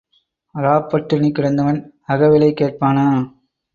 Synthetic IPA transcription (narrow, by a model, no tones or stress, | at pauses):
ɐɾaːpːɐʈːɪnikːɪɽɐnd̪ɐʋɐn | ɐɣɐʋɪlɐɪkːeːʈ̚paːnaː